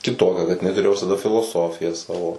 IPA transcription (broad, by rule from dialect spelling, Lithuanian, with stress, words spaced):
kʲɪˈtoːkʲɛ kɐt ɪˈnɐɪ tʊˈrʲeːjoː ʋʲɪsɐˈdɐ fʲɪlˠoːˈsoːfʲɪjæː ˈsɑːʋoː